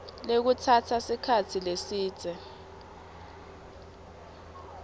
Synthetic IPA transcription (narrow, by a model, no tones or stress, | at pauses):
lek̬utʰatʰasikʰat͡sʰilesiːt͡sʼɛ